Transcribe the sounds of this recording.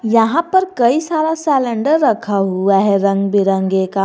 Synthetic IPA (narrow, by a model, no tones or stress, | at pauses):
jɐɦãpɐɾkɐisaːɾasɛːlə̃ɳɖəɾːɐkʰaɦuaɦɛɾɐ̃ŋɡbɪɾə̃ŋɡeːka